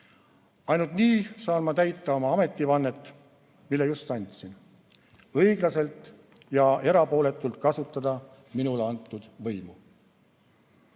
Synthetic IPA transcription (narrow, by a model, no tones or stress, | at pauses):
ɑjnult̪niːsɑːnmɑt̪æjt̪ˑːɑo̞mɑɑme̞t̪ʲːˑivɑnːet̪ːˑ | milːejust̪ɑnʲt̪sin | ɤ̞iɡ̥lɑse̞lt̪ˑ | jɑe̞ɾɑpo̞ːle̞t̪ːˑult̪̚kɑsut̪ːˑɑd̪̥ɑ | minuleɑnt̪ːˑud̪̥vɤ̞jmu